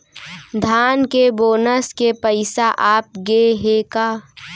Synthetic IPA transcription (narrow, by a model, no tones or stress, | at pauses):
d̪ʱaːnkeboːnəskepəɪsaʔaːp̚ɡeɦekaː